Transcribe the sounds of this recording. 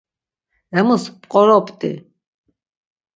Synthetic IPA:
ɛmuspqʼɔɾɔpt̪ʼḭ

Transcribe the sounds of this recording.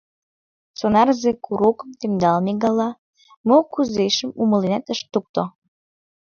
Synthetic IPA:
t͡sonɑrzekuɾukəmt̪emd̪ɑlniɣɑlɑ | mokuzzeʃəmuməlinæt̪əʃt̪uk̚t̪o

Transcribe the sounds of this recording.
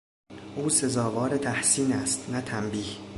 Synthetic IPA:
ʔuːse̞zɒːvɒːɾet̪ʰæhsiːnæst̪næt̪ʰæmbiːh

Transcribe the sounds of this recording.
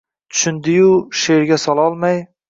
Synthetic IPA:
t̪ʰʊ̥ʃʊnd̪ɪjʊʃeɾɡʲasɒlˠɒlˠmaj

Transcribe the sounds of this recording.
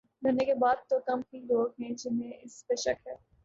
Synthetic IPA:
ɡɐːnekebaːd̪̚t̪okɐmɦiloːɡɦɛ̃d͡ʒɪnẽʔɪspeʃɐkɦɛː

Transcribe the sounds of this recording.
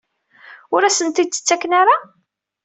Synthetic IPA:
ʊɾæsənt̪id̪̚t͡sːə̥t͡sːækːnaɾa

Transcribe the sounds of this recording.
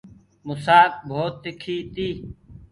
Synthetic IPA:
mʊsaːk̚bʱoːt̪ːɪkʰiːt̪iː

